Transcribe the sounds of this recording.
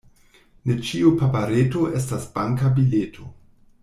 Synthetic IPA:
net͡ʃiupapaɾeto̞ʔe̞s̬tasbaŋkabiletʰo

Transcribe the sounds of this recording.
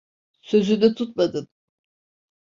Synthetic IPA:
sø̞zynd̪ɛt̪ʰut̪̚mad̪ɯn

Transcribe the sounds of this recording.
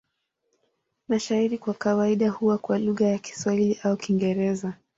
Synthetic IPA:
maʃaiɾikwakawaiɗahuwakwaluɣajaki̥swahiliʔaukiŋɡɛɾɛza

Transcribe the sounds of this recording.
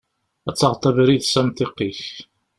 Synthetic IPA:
æt͡sːɑʁt̪ˤɑvɾiðsæmt̪iqːiç

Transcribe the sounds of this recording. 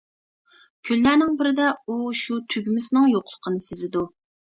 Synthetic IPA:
kʲʰylːænɪŋbɪɾɪd̪ɛuʃut̪ʰyɡʲmɪsɪnɪŋjoqʰʊlˠə̥qʰənɨsɪzɪd̪u

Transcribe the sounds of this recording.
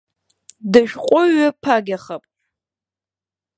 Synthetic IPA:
dɨʒᶣqʷʼʊɥapʰaɡʲaχɐpʼ

